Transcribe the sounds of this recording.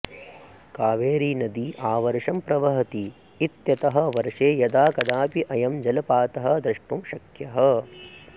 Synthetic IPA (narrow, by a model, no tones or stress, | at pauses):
kaːʋeːɾiːnɐd̪iʔaːʋɐɾʂɐmpɾɐʋɐɦɐt̪iː | t̪jɐt̪ɐɦɐ̆ʋɐɾʂeːjɐd̪aːkɐd̪aːpiʔɐjɐmd͡ʒɐlɐpaːt̪ɐɦɐ̆d̪ɾɐʂʈumʃɐkʰjɐɦɐ